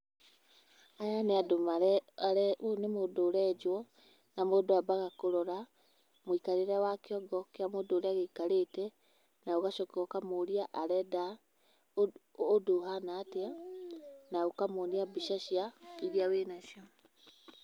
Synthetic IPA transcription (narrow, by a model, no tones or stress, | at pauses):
ajaneadomaɾɛaɾɛonemodoːɾɛd͡ʒwɔ | namodoabaɣakoɾɔɾa | moikaɾeɾɛwakeɔɡɔkeamoːdoːɾeaɣekaɾetɛ | naoɣaʃɔkɔkamoɾiaʔaɾɛda | odoɦanaːtea | naokamoniabiʃaʃjaiɾiawenaʃiɔ